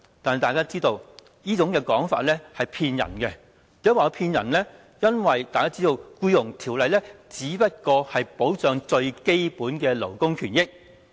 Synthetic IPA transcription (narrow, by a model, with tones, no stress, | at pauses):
t̪aː˨nhjt̪aː˨jkaː˥t͡siː˥t̪o˧w | jiː˥t͡sʊ˨˥ŋkɛː˧kɔː˨˥ŋfa̰ː˧t̚lɛ˥hɐ˨jpʰiː˧njɐ̰˨˩nkɛ˧ | i˨˥waː˨˧pʰiː˧njɐ̰˨˩nlɛ˥ | jɐ˥nwɐ˨jt̪aː˨jkaː˥t͡siː˥t̪o˧wkuː˧jʊ˨˩ŋt̪ʰiː˨˩wlɐ˨jlɛː˥t͡siː˨˥pɐ˥t̚kɔː˧hɐ˨jpo˨˥wt͡sœː˨˧ŋt͡sɵ˧ɥke˥jpuː˨˥nkɛː˧lo˨˩wkʊ˥ŋkʰyː˨˩njɪ˥k̚